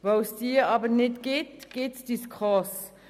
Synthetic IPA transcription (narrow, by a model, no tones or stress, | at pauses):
vowsd̥iːɑːbənɪtɡ̥ɪtɡ̥ɪtsd̥iskʁɔs